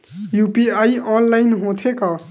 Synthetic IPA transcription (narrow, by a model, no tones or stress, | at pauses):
jupiaiɔnlaɪnɦõt̪ʰekʌ